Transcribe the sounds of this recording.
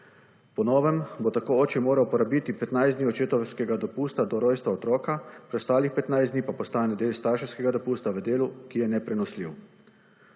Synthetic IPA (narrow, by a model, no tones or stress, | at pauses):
pɔnɔːʋɛmbot̪akoːoːt͡ʃɛmoːɾawpɔɾabit̪ipɛt̪najzd̪niɔt͡ʃeːt̪ɔwskɛɡad̪ɔpuːst̪ad̪ɔɾɔjst̪ʋaɔt̪ɾɔːkapɾɛst̪aːlixpɛt̪najzd̪nipapɔst̪aːnɛd̪eːlst̪aɾʃɛwskɛɡad̪ɔpuːst̪aʋəd̪eːlukijɛnɛpɾɛnɔslḭːw